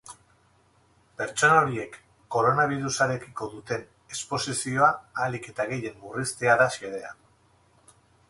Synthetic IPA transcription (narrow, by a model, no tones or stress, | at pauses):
pe̞ɾt͡ʃo̞naoɾie̞kː | o̞ɾo̞naβ̞iɾusaɾe̞kiko̞ðut̪e̞n | espo̞sisio̞aːlike̞t̪aɣe̞je̞mːurist̪e̞aðaʃeðe̞a